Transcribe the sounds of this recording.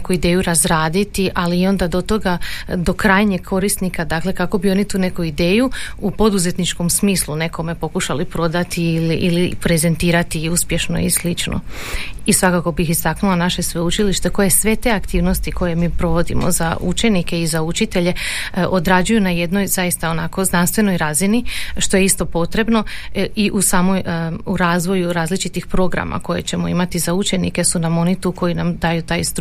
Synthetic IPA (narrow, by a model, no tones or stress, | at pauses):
kuid̪e̞ːjuɾazɾaːd̪it̪iʔaliːo̞nd̪ad̪o̞t̪o̞ɡad̪o̞kɾaːjɲeɡkʰo̞ɾist̪nikad̪akle̞kako̞bio̞nit̪uːne̞kuid̪e̞ːjuupo̞d̪uze̞t̪nit͡ʃko̞msmiːslˠune̞ko̞me̞po̞kuʃalipɾo̞d̪at̪iiliʔilipɾeze̞nt̪iːɾat̪iuspje̞ʃno̞̰ḭslit͡ʃno̰isʋakako̞bixist̪aknulanaʃe̞sʋe̞ut͡ʃiliʃt̪e̞ko̞je̞sʋe̞t̪e̞akt̪iːʋno̞st̪iko̞je̞miːpɾo̞ʋo̞d̪ḭmo̰za̰ṵt͡ʃe̞nike̞izaut͡ʃit̪e̞ʎe̞ | ʔod̪ɾaːd͡ʒujunaje̞d̪no̞jzajist̪ao̞nako̞znanst̪ʋe̞no̞jɾaːziniʃt̪o̞je̞ist̪o̞po̞t̪ɾe̞bno̞iʔusaːmo̞juɾaːzʋo̞juɾaːzlit͡ʃit̪ixpɾo̞ɡɾa̰mʔa̰ko̞je̞̰t͡ɕe̞mo̞imat̪izaut͡ʃe̞nḭke̞sunamo̞nit̪uko̞jinamd̪aːjut̪aːjst̪